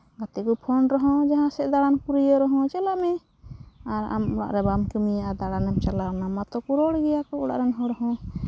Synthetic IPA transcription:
ɡat̪ɛkupʰɔnɾɔɦɔ̃d͡ʒaɦãsɛʔd̪aɽankuɾijɔɾɔɦɔ̃t͡ʃɛlaʔmɛ | aɾa̰mɔɽa̰ʔɾɛbamkumijaad̪aɽanamt͡ʃalaɾnamat̪ɔkuɾɔɽɡɛjakɔɔɽa̰ʔɾɛnɦɔɾɔɦɔ̃

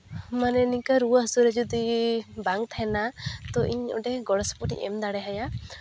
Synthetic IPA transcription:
manɛnikaɾuaɦəsuɾed͡ʒud̪ibaŋt̪ʰaenat̪ɔʔḭɲɔ̰ɖeɡɔɽɔsɔ̥pɔʈḭʔḛmd̪aɽɛɦaja

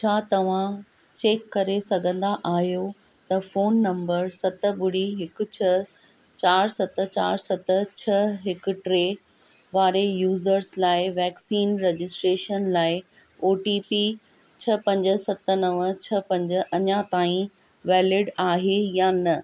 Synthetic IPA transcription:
t͡ɕʰaːt̪ɐʋ̤ã | t͡ɕeːkːɐɾesɐɡʱə̃nd̪aʔaːɦjo | t̪ɐfoːnːɐ̃mbəɾsɐt̪ə̆ɓʊɽiɦɪkʊ̆t͡ɕʰɐ | t͡ɕaːɾsɐt̪ə̆t͡ɕa̰ːɾsɐt̪ə̆t͡ɕʰɐɦɪkʊ̆ʈɾeː | ʋaːɾejuːzəɾslaːɪʋɛːksiːnɾed͡ʑɪsʈɾeːʃənlaːɪoːʈipi | t͡ɕʰɐpɐ̃ɲd͡ʑə̆sɐt̪ə̆nɐʋət͡ɕʰɐpɐ̃ɲd͡ʑə̆ʔɐɲãt̪aːĩ | ʋɛːlɪɖaːɦejanɐ

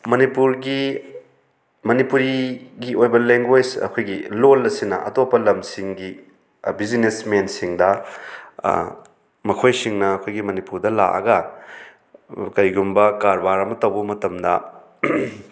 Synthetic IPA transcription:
mɐnipuɾɡi | mɐnipuɾiɡiojbɐleŋɡwed͡ʒɐ̰kʰojɡilolːɐsinɐ̰ʔɐ̰topːɐlɐmsiŋɡi | bid͡ʒinesmensiŋdɐ | mɐkʰojsiŋnɐːkʰojɡimɐnipuɾdɐla̰ʔɐ̰ɡɐ | kɐɾiɡumbɐkaɾbaɾɐmɐtɐwbɐmɐtɐmdɐ̰

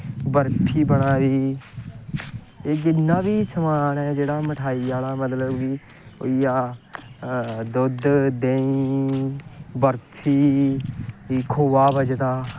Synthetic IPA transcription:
bəɾt̪ʰiːbəɽaːɾiː | eːɡɪnːaːʋiːsəmaːnɛːd͡ʒeːɽaːməʈʰaːiːjaːlaːmət̪ləbːiː | o̰iːaː | d̪ʊd̪d̪ẽːĩ | bəɾt̪ʰiː | iːkʰoːʋaːbəd͡ʒt̪aː

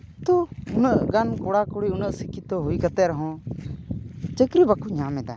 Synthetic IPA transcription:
t̪oʊnəʔɡankoɽaːkʊɽiːʊnəʔsikit̪oɦoiːkət̪eːɾəɦõ | t͡ʃəkɾibakuɲãːmẽd̪a̰ː

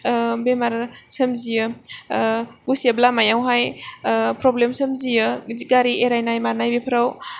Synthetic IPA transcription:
bemaɾsɐmzijɯ | ɡusiablamajawɦaj | pɾɔblemsɐmzijɯziɡaɾieɾajnajmanajbepʰɾaw

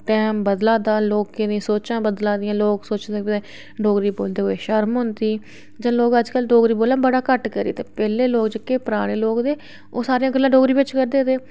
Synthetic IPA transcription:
ʈɛːmbəd̪laːd̪aːloːkenẽːsoːt͡ʃãːbəd̪laːd̪ɪjãːloːɡsoːt͡ʃd̪ẽːɪeː | ɖoːɡɾiːboːld̪eːɦoːeːʃəɾmɦʊnd̪iː | d͡ʒãːloːɡəd͡ʒkəlɖoːɡɾiːboːlãːbəɽaːkəʈkəɾḭːt̪eːpɛːleːloːkd͡ʒəkeːpəɾaːɽ̃eːloːkd̪eː | oːsaːɾejãːɡəlːãːɖoːɡɾiːʋɪt͡ʃkəɾd̪eːt̪eː

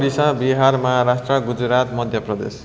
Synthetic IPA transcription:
ɽisabiɦarmʌɦaɾasʈrʌɡud͡zɾat̪mʌd̪ʱjʌprʌd̪ḛs

